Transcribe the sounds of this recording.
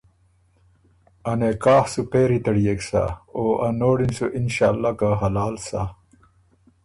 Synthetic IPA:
ɐnekaːhsupeːɾit̪ɐɽijeksa̰oːʔanoːɽinsuʔinɕaːlːakaɦɐlaːlsa

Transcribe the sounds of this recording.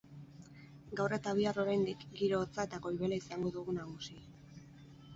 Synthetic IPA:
ɡawre̞t̪aβ̞iaro̞ɾajnd̪ikɡiɾo̞ːt͡sae̞t̪ako̞jβe̞laisaŋɡo̞ðuɣunaɣusi

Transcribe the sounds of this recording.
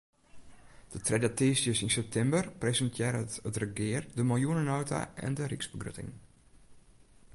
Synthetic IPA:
d̥ətrɛdatiːsjəsinsɛp̚tʰɛmbərpresəntʰjɪːɾətətrəɡɪərdəmɪlˠjuənənowtʰa̰ʔɛ̰ndəriksbəɡrø̰tɪ̰ŋ

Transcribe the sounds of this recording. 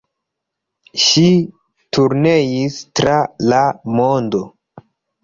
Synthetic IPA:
ʃi | tuɾnejistɾalamondo

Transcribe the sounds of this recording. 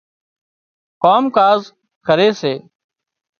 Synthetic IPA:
koːmkaːz | kʰəɾeːseː

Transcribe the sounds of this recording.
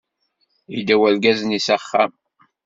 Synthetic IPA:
id̪æwælɡæznisæχːæm

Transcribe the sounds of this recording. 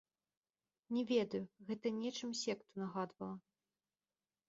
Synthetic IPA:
nʲɛvʲɛd̪ɐjuɣɛt̪ɐnʲɛt͡ʂɨmsʲɛkt̪unɐɣad̪vɐlˠɐ

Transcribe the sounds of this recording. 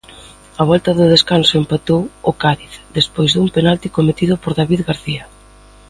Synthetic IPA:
aβɔlt̪ɐðʊðeskansoempat̪owʊkaðiθd̪espojzðumpenalt̪ikomet̪iðʊpoɾðaβiðɣaɾθia

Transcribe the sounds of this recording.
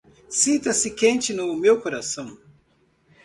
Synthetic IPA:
sĩnt̪ɐsɪkẽnt͡ʃɪnʊmewkoɾasɐ̃w̃

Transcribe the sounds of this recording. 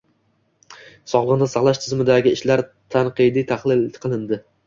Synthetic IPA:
sɒʁlˠɨʁnɪsɑχlˠaʃt̪ʰɪzmɪd̪aɡʲɪɪʃlaɾ | t̪ʰanqɨjd̪it̪ʰaχlˠɪlqʰɨlˠɪnd̪ɪ

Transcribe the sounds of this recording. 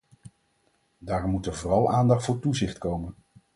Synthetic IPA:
daːrmːutəvoːrɑlˠʔaːndɑχtfʊːɹtuzɪχtkowmən

